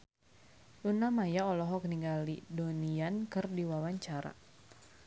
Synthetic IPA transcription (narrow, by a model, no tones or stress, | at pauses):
lunamajaɔlɔɦɔk̚niŋɡalidoniankɨrdiwawaɲt͡ʃaɾa̰